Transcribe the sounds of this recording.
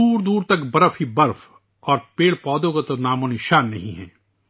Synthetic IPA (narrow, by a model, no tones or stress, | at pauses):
uːɾd̪uːɾt̪ɐkbɐɾəfhibɐɾf | ɔːɾpeːɽpɔːd̪õkat̪onaːmõnɪʃaːnːɐɦĩɦɛ̰̃ː